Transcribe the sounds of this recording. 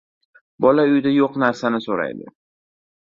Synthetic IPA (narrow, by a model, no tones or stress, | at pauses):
bɒlaʊjd̪ajoqnaɾsanɪsoɾa̰jd̪ɪ̰